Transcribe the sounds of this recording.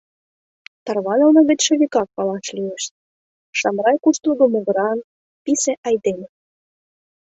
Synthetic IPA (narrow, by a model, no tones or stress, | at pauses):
t̪ɑrβɑnɤ̆lˠnɤβʲɘ̆t̪ʲʃɘβʲikɑk̚pɑlˠɑʃlʲijeʃ | ʃɑmrɑjkuʃt̪uɡ̪ŏmoɣɤ̆ɾɑn | pʲisĕʔɑjd̪emʲ